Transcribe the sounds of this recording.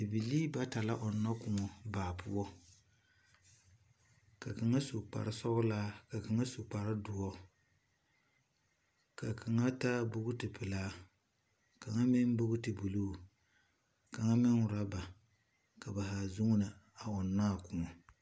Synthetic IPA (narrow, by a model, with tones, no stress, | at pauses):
ɨ˨bi˨liː˦ba˦ta˨la˦ʔo˨nːa˦kʊ˨ŋɔ˨baː˨pu˦ɔ˦ | ka˨ka˨ŋa˦su˨k͡pa̰˨ɾɨ˦sɔ˦bʊ˦laː˦ka˨kɨ˨ŋa˦su˨k͡pa˨ɾɪ˦dʊ˨ɔ˦ | ka˨kʰa˨ŋa˦ta˦bʊ˦ɣʊ˦tɨ˨pɨ˨laː˦ | ka˨ŋa˦mɪ˦n˦bʊ˦ɡʊ˦tɨ˨bu˨loː˦˨ | ka˨ŋa˦mɪ˦ŋʊ˨ɾa˦ba˨ | ka˨ba˨ɦa˨zʊ˦ŋʊ˦nɨ˨ | a˨ɔ˨nːaː˦˨kʊ˨ŋɔ˨